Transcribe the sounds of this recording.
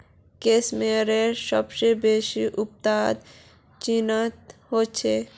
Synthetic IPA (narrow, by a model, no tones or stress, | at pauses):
keːsmeɾesəbʃebeːʃiʔʊp̚t̪ad̪ | t͡ʃinət̪hoːt͡ʃʰe